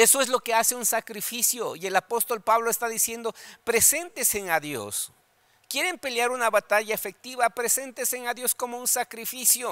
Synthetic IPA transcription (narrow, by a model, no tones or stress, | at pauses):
e̞so̞e̞zlo̞ke̞ase̞unsakɾifisjo̞ie̞lapo̞st̪o̞lpaβloest̪aðisje̞nd̪o̞pɾe̞se̞nt̪eseŋaðjo̞̰s | kje̞ɾe̞mpe̞ljaɾunaβat̪aʝaefe̞k̚t̪iβapɾe̞se̞nt̪eseŋaðjo̞sko̞mo̞unsakɾifisjo